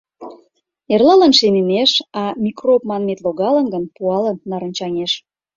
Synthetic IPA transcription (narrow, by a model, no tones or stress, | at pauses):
erlɑlənʃeneneʃɑmʲikropmɑnmet̪loɣɑlə̆nɡənpuɑlənːɑɾə̆nʲt͡ɕɑŋeʃ